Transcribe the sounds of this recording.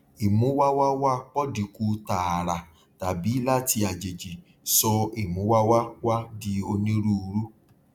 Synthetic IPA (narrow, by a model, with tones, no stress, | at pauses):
i˨mũ˨˦wa˦wa˦wa˦k͡pɔ˦di˨ku˧˦ta˨a˨ɾa˨ | ta˨bi˨˦la˦ti˧a˨d͡ʒe˨d͡ʒi˨ | sɔ˧i˨mũ˨˦wa˦wa˦wa˦di˦o˧nĩ˦ɾu˦˧ɾu˦